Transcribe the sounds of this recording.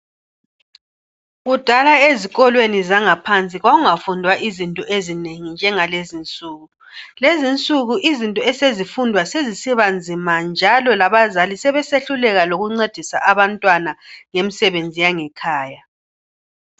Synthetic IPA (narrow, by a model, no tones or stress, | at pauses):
ɣud̥ʱalaeziɣɔlwenizaŋapʰant͡sʼiɣwaɣuŋafundʱwaʔizintʼɔʔezineŋind͡ʒʱɛŋalezint͡sʼuːɣu | lezint͡sʼuɣuʔizintʼɔɛsezifundʱwasezisiβand͡zʱimand͡ʒʱalɔlaβazalisɛβɛseɬulɛɣaloɣuŋ͡ǀed̥ʱisa̰ʔaβantʼwanaŋemisɛβend͡zʱijaŋɛkʰaːja